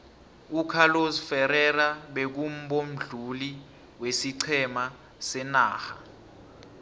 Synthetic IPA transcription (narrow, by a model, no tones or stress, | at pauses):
ukʰalozfɛɾɛraɓek̬um̩ɓom̩ɮuli | wesiǀʰɛma | sɛnaːxa̰